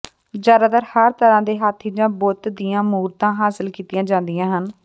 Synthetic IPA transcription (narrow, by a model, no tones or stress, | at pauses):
d͡ʒjaːd̪aːt̪əɾhəɾt̪əɾãːd̪eːɦaːt̪ʰːiːd͡ʒãːbɔːt̪d̪ijãːmuːɾt̪ãːɦaːsəlkiːt̪ɪjãːd͡ʒãːnd̪ijãːɦən